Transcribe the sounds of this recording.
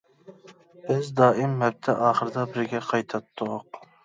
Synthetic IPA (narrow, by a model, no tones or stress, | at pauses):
b̥ɪzd̪ɑːɪmːɛp̚t̪ʰɛʔɑːχəɾɨd̪ɑbɪɾɡʲɛqʰɑjt̪ʰɑt̪ʰːʊq